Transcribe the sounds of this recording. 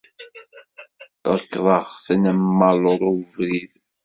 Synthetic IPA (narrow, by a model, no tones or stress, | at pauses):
əkːðˤɑʁθnəmːəlʊɾˤʊvɾið